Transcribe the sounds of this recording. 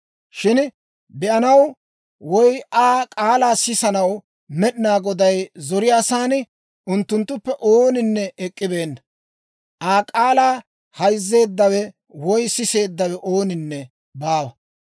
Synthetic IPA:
ʃɪn | bɛʔɐnɐw | wɔjaːkʼaːlaːsɪsɐnɐw | mɛɗɪnaːɡɔd̪ɐjzɔɾɪjaːsaːn | ʔʊnt̪ːʊnt̪ːʊpːɛʔoːnɪnːɛɛkʼːɪbe̞ːnːɐ | ʔaːkʼaːlaː | hɐjzːe̞ːd̪ːɐwɛ | wɔjsɪse̞ːd̪ːɐwɛʔo̞ːnɪnːɛ | baːwɐ

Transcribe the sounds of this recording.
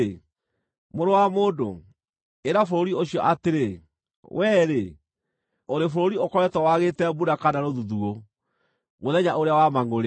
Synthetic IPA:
moɾowamoːdo | eɾafoɾoɾioɕiɔʔateɾe | wʔɛɾe | oɾefoɾoɾiokɔɾɛtɔwaɣetɛbuɾakanaɾoðuðuo | ɣoðɛɲaʔoɾeawamaŋoɾe

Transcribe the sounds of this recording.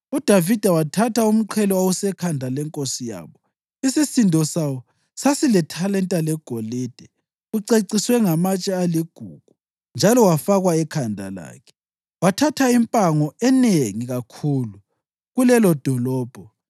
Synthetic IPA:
ud̥ʱavid̥ʱawatʰataum̩ǃʰɛlɔawusɛkʰandʱalɛŋkʼosija̰ːβɔ | isisindʱɔsawɔ | sasilɛtʰalɛntʼalɛɡ̥ʱoled̥ʱɛ | uǀeǀiswɛŋamat͡ʃʼɛaliɡ̥ʱuɡ̥ʱu | nd͡ʒʱalɔwafaɣwaɛkʰandʱa̰la̰ːkʰɛ̥ | watʰatʰaimpʼaŋɔɛneŋiɣakʰulu | ɣulɛlɔd̥ʱɔlɔːb̥ʱɔ

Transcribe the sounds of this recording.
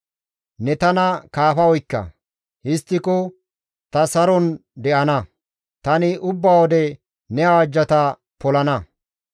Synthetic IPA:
nɛt̪ɐnɐkaːfɐɔjkːɐ̰ | hɪst̪ːɪkɔ | t̪ɐsɐɾɔnd̪ɛʔɐnɐ | t̪ɐnɪʔʊbːaːwɔd̪ɛ | nɛawɐd͡ʒːɐt̪ɐ | pɔlɐnɐ

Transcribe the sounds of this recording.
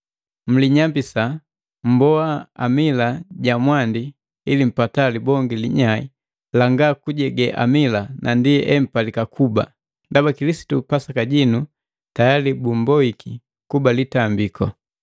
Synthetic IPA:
m̩liɲambisa | m̩bɔaa̰milaɟamwandi | ilim̩patalibɔŋɡiliɲaḭ | laŋɡakuɟɛɡɛʔa̰milanʔandiʔɛm̩palikakʰuba̰ | ndabakilisi̥tupasakaɟinu | tajalibumbɔiki | kubalitambikʰɔ

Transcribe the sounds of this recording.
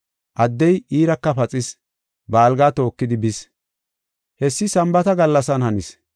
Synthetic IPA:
ʔɐd̪ːɛjiːɾɐkːɐpɐt͡sʼɪs | baːlɡaːt̪o̞ːkːɪd̪ɪbɪs | hɛsːɪsɐmbɐt̪ɐɡɐlːɐsɐnhɐnɪs

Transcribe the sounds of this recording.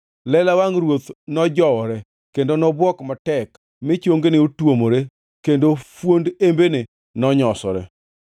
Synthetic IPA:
lɛlawaŋɾwot̪nɔd͡ʒɔwɔɾɛ | kendonɔbwɔkmatɛk | mɪt͡ʃoŋɡenɪotwomoɾe | kendofwondembene | nɔɲɔsɔ̰ɾɛ̰

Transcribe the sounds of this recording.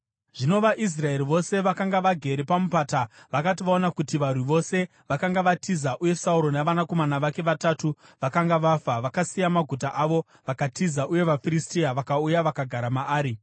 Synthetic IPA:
ʐ̥ino̞ʋaʔis̬rae̞riʋo̞se̞ʋakaŋɡaʋaɡʱe̞ɾepamupaːtaʋakatiʋaonakutiʋarwiʋo̞se̞ | ʋakaŋɡaʋatʰizaʔuje̞sauɾo̞naʋanako̞manaʋake̞ʋatatu | ʋakaŋɡaʋaːfaʋakasijamaɡʱut̬aʔaʋo̞ | ʋakatizaʔuje̞ʋafiɾistiaʋakaujaʋakaɡʱaɾamaaːɾi

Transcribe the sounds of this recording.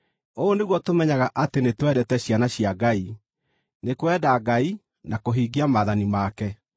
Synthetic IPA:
oːneɣwɔtomɛɲaɣaʔatenetwɛɾɛtɛɕjanaɕiaɡai | nekowɛdaɡai | nakoɦiːɡiamaðanimakɛ

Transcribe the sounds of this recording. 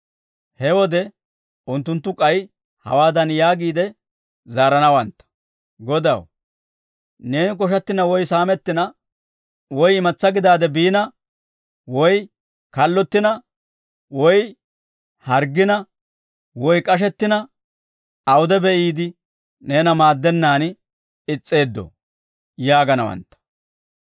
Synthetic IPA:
hɛwɔd̪ɛ | ʊnt̪ːʊnt̪ːʊkʼɐj | hɐ̰waːd̪ɐnjaːɡiːd̪ɛ | zaːɾɐnɐwɐnt̪ːɐ̥ | ɡɔd̪ɐ̰w | ne̞ːnɪk̬ɔʃ̬ɐt̪ːɪnɐwɔjsaːmɛt̪ːɪnɐ | wɔjɪmɐt͡sːɐɡɪd̪aːd̪ɛbiːnɐ | wɔj | kɐlːɔt̪ːɪnɐ | wɔj | hɐɾɡɪnɐ | wɔjkʼɐʃ̬ɛt̪ːɪnɐ | ɐwʊd̪ɛbɛʔiːd̪ɪ | ne̞ːnɐmaːd̪ːɛnːaːn | ɪt͡sʼːe̞ːd̪ːɔ̰ | jaːɡɐnɐwɐ̰nt̪ːɐ̥

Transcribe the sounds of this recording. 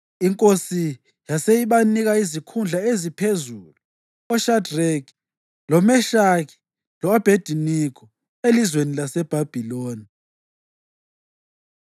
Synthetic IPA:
iŋkʼosi | jasejiɓaniɣaizikʰund͡ɮʱaezipʰezulu | ɔʃadrɛk | lɔmɛʃaki̥ | lɔɔb̥ʱed̥ʱinikʰɔ | elizwenilasɛb̥ʱab̥ʱiloːni

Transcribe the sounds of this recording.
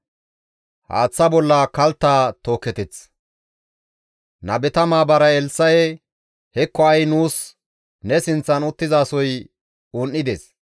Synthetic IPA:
ha̰ːt͡sːɐbɔlːɐkɐlt̪ːaːt̪oːkːɛt̪ɛt͡s | nɐbɛt̪ɐmaːbɐɾɐɛlsɐjɛ | hɛkːɔɐjnuːs | nɛsɪnt͡sːɐnʊt̪ːɪzaːsɔj | ʊnʔːɪd̪eːs

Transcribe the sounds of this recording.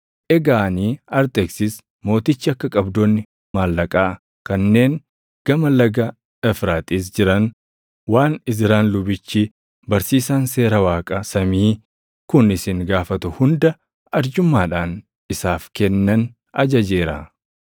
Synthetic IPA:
ʔɛɡaːniːɐɾt̪ɛksɪs | mo̞ːt̪ɪt͡ʃːɪɐkːɐkʼɐbd̪oːnːɪ | maːlːɐkʼaː | kɐnːe̞ːŋ | ɡ̥ɐmɐlɐɡɐ | ɛfɾaːt̪ʼiːs̬d͡ʒɪɾɐn | waːnɪs̬ɾaːnlʊbɪt͡ʃːi | bɐɾsiːsaːnse̞ːɾɐwaːkʼɐsɐmiː | kʊnɪsɪŋɡaːfɐt̪ʊhʊnd̪ɐ | ɐɾd͡ʒʊmːaːᶑaːn | ɪsaːfkɛnːɐn | ɐd͡ʒɐd͡ʒe̞ːɾɐ

